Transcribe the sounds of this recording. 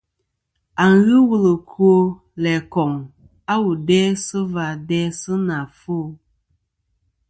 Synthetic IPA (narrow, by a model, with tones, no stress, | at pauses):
a˨ŋ̩˨ɣɨ˦wu˦lɨ˨kʰu˦o˦ | lɛ˨kɔ˨ŋ | a˦wu˨dɛː˦sɨ˦va˨dɛ˦sɨ˦na˨fu˦˨